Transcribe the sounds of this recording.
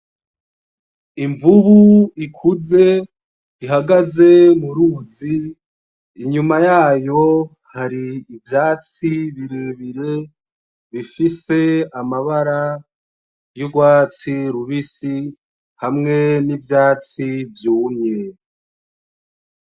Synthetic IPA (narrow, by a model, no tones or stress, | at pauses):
iɱvuβuikʰuze̞ | iɦaɡaze̞muɾuːziː | ɲumajaːjo̞ | haɾiːvjaːt͡siβiɾiβiɾe̞ | βifise̞amaβaɾa | joɡwaːt͡siɾuβisi | hamŋe̞nivjaːt͡sivjuːmɲe